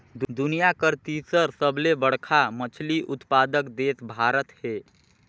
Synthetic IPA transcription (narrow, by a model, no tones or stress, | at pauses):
d̪d̪unijakəɾt̪isəɾsəblebəɽ̤kʰamət͡ʃʰliʔʊt̪pad̪əkd̪et̪bʱaɾət̪he